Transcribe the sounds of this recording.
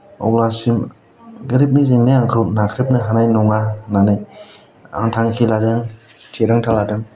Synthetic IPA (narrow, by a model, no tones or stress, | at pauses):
ɔ̰wlasim | ɡɯɾip̬̚nizeŋnɯaŋkʰɯwnakʰɾip̚nɯɦanajnɔŋananɯj | a̰ŋtʰaŋkʰiladɯŋ | tʰeɾaŋtʰaladɯŋ